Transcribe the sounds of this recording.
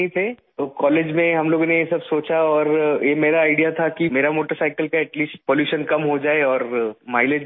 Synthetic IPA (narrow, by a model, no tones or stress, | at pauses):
ĩt̪ʰeː | kɔːleːd͡ʒmẽɦɐmloːɡonejesɐbsoːt͡ʃaɔːɾjemeːɾaaːɪɖijat̪ʰakimeːɾamoːʈəɾsaːɪkəlkaɛʈliːsʈ̚poːljuːʃənkɐmɦod͡ʒaːeɔːɾmaːɪled͡ʒ